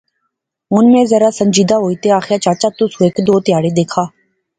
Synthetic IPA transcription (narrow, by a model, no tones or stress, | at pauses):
ʊnmẽːzəɾaːsəɲd͡ʒiːd̪aːɦoːiːt̪eːaːxɾjaːt͡ʃaːt͡ʃaːt̪ʊsũːekd̪oːt̪ɪjaːɽeːd̪eːkʰaː